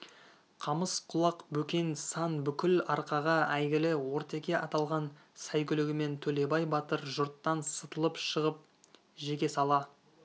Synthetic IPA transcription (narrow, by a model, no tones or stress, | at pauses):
qʰɑməsqʰʊlˠɑqbɵkʲe̞nsɑnbʏkʲɪlɑɾqɑʁɑæjɡʲɪlɪwo̞ɾt̪e̞kʲe̞ʔɑt̪ɑlˠʁɑn | sæjkʲʏlɪɡʲɪme̞nt̪ʰɵle̞bɑjbɑt̪əɾʒʊɾt̪ːɑnsət̪əlˠəpʃəʁəp̚ | ʒe̞kʲe̞sɑlˠɑ